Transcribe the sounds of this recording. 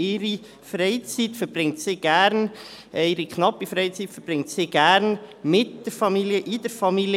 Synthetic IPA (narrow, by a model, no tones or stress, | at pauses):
ɪɾi | freɪt͡sitfəɾb̥rɪŋtsɪɡ̥æɾnɪɾikχnɑpːifɾɛɪt͡siːtfəɾb̥rɪŋtsɪɡ̥æːɾnmɪt̚d̥əɾfɑmiljəʔɪd̥əɾfɑmil